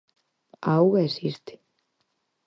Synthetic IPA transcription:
awɣaɛsist̪ɪ̥

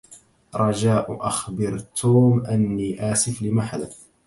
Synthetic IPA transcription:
ɾˤɑd͡ʒaːʔʔaxbɪɾt̪ʰuːmʔanːiːʔaːsɪflɪmaħad̪a

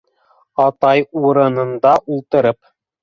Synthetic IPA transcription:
ɑt̪ɑjuɾɤ̆nɤ̆nd̪ɑʔulˠt̪ɤ̆ɾɤp

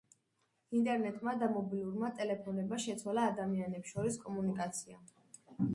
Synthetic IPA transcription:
int̪ʼɛɾnɛt̪ʼmad̪amɔbiluɾmat̪ʼɛlɛpʰɔnɛbmaʃɛt̪sʰwalaːd̪amianɛpsʃɔɾiskʼɔmunikʼat̪sʰia

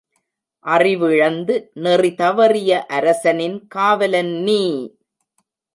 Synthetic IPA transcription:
ʔɐrɪʋɪɻɐnd̪ɯnɛrit̪ɐʋɐrɪjɐʔɐɾɐsɐnɪnkaːʋɐlɐnːiː

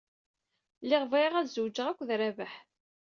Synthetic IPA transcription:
lɪʁviʁæðzuwd͡ʒːəʁækʷːðɾævəħ

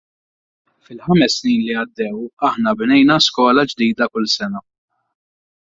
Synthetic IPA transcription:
fɪlħɐmɛsːniːnliɐd̪ːɛwɐħnɐbnɛjnɐskɔːlɐd͡ʒd̪iːd̪ɐkʊlsɛnɐ

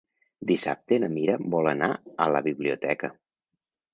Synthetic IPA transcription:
d̪isa̰p̚t̪enəmiɾəbɔlˠənaələβiβliut̪ɛkə

